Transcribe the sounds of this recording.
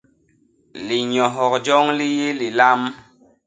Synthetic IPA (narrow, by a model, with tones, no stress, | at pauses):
li˨ɲɔ˨ɦɔ˨kd͡ʒɔ˦ŋli˦je˦li˨la˦m